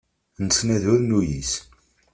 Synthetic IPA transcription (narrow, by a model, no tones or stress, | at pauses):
nt͡sːnæðʊɾnujis